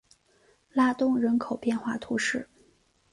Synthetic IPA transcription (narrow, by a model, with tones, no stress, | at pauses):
la˥t̪ʊ˥ŋɻə˧˥nkʰo˨˩ʊpjɛ˥˧nxwa̰˥˩t̪ʰu˧˥ʂɻ̩˥˩